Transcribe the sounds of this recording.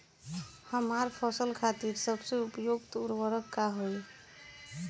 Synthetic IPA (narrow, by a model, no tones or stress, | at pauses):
həmaɾpʰɔsəlkʰat̪iɾsəbseupjoɡt̪uɾwəɾəkːaɦoj